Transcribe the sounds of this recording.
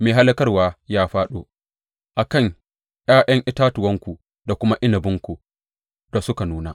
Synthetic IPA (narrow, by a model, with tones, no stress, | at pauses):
meː˨ɦa˦lɐ˦kɐ˦rwaː˦jaː˦ɸaː˦ɗoː˦ | ʔa˨kɐ˦˨ŋ | j̰aː˦ʔɐ˦ŋʔɪ˦taː˦tʊ˨wɐ˦ŋkʷu˨ | da˨kʷʊ˦ma˦ʔɪ˦nɐ˨bɪ˦ŋkʷu˨ | d̥a˨sʊ˦ka˨nuː˦naː˨